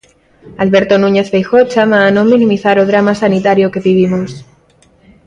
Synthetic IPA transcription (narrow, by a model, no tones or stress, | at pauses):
alβe̞ɾt̪o̞nũɲe̞θβejxo̞t͡ʃamaːnõ̞mĩnĩmiθaɾoðɾamasanit̪aɾjoke̞βiβ̞imos